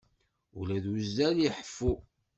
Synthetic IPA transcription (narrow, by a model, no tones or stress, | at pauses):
ulæðuzːæljiħə̥fːu